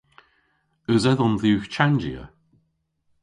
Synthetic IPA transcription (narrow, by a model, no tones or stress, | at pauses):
əzɛðɔnðiːxt͡ʃʰand͡ʒiə̰